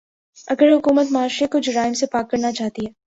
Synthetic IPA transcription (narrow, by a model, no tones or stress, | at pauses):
ɐɡəɾɦʊkuːmət̪maːʃɾekʊt͡ʃʰɾaːɪmsepaːkːɐɾnat͡ʃaːɦt̪iɦɛː